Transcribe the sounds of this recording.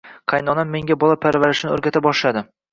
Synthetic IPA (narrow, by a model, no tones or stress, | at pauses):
qʰɑjnɒnamːe̞ŋɡʲabɒlˠapʰaɾvaɾɪʃnɪɵɾɡʲat̪ʰabɒʃlad̪ɪ